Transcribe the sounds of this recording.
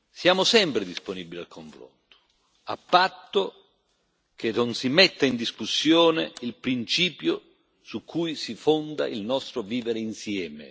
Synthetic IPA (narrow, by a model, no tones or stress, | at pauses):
sjaːmʊsɛmpɾed̪isponibilia̰lkʰoɱfɾo̰nt̪o̥ | a̰pːat̪ːo | kʰenonsimɛt̪ːaind̪iskusːjɔːnḛilpɾint͡ʃiːpjo | sukʰːujsifond̪a̰ʔilnɔst̪ɾoviːveɾeinsjɛːmḛ